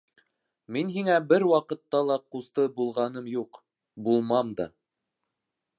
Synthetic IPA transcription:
minɦiŋæbɘɾwɑqɤ̆t̪ːɑlˠɑqust̪ɤbulˠʁɑnɤmjuq | bulˠmɑmd̪ɑ̰

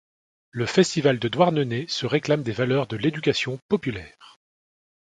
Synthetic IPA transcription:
ləfɛst̪ivald̪əd̪waʁnənesəʁeklamd̪evalœʁd̪əled̪ykʲasjɔ̃pɔpylɛːʁ

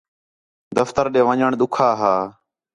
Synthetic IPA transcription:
d̪əft̪əɾɗeːʋəɲəɳɗ̪ʊkʰaːɦaː

